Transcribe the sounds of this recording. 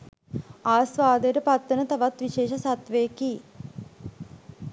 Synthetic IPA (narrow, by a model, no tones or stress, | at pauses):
aːsʋaːd̪eɾəpat̪ːənət̪aʋat̪ʋiʃeːʃəsat̪ʋejki